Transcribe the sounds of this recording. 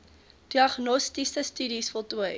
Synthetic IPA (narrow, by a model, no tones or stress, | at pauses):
d̥iɐχnɔstisəstyɾisfɔlˠtuəj